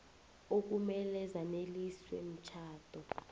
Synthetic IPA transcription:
ok̬umɛlɛzaneliswḛm̩t͡ʃʰaːtʼɔ

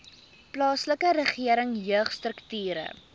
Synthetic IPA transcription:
plɑːsləkəɾəχiəɾəŋjøəχstrəktyːɾə̰

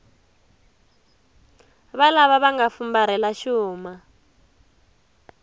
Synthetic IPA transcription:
βalaβaβaŋɡafumbaɾɛlaʃuːma

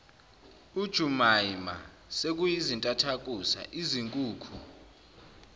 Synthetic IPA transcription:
ud̥ʒ̥ʱumaima | sek̬ʼujizintʼatʰak̬ʼusa̰ʔiziŋkʼuːkʰu

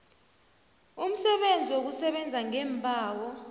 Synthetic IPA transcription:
um̩sɛɓend͡zʱiwok̬usɛɓɛnd͡zʱaŋɛːmbʱaːwɔ

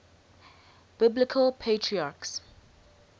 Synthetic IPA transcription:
b̥ɪblɪkʰəlpʰetʰɹiaːks

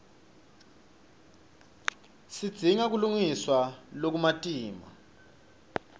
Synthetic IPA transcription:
sid̥z̥ʱiŋak̬uluŋiswalok̬umatʼiːma̰

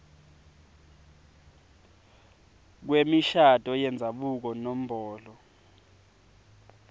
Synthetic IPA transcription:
k̬wemiʃatʼɔjɛnd͡zʱaɓuk̬ɔnom̩bʱɔːlɔ

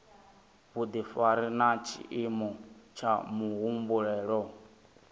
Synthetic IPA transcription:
βud̪ifaɾinat͡ʃʰḭʔimɔt͡ʃʰamuɦumbuɺɛːɺɔ

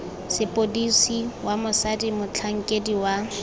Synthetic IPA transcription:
sɪpʼodisiwamʊsadimʊt͡ɬʰaŋ̩kʼediwa

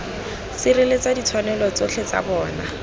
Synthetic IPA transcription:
sɪrelet͡sadit͡sʰwanɛlɔt͡soɬʰet͡sa̰bɔːna

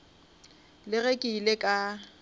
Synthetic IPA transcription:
lɪɣekʼiːlekʼa

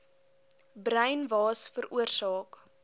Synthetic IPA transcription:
brəɥnvɑːsfəruərsɑːk

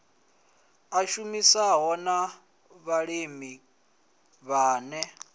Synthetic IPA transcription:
aʃumisaɦɔna | βaɺimi | βaːnɛ

